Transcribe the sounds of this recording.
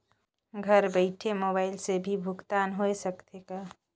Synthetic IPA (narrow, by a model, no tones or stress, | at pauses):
ɡʱəɾbəɪʈʰemoːbaːɪlsebʱibʱʊɡt̪aːnɦoesəkt̪ekaː